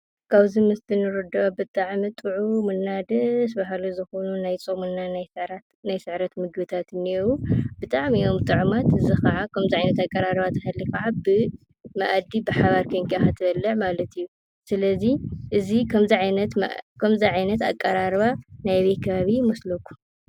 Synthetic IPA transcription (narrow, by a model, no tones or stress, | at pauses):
kʰaβzimɨst̪ʰɨnɨɾɨd̪ɐβabɨt̪ʼaʕmɨt̪ʼɨʕumɨnːad̪ɨsbaɦaluzɨxonunajt͡sʼomɨnːanajsɨɾa | najsɨʕɾɐt̪mɨɡbɨt̪ʰat̪ɨniwub̥ɨt̪ʼaʕmijo̞mt̪ʼɨʕumat̪ɨzixɐʕakʰɐmziʕajnɐt̪akʼːɐɾaɾβat̪ʰɐhalːikɐʕabɨ | mɐʔad̪ibɨħaβaɾkʰɐŋkaat̪ʰɨbɐlːɐʕmalɐt̪ijːu | sɨlɐziʔɨzikʰɐmziʕajɐt̪kʰɐmziʕajnɐt̪a̰kʼːɐɾaɾβanajβet̪kʰɐβaβimoslɐkʼu̥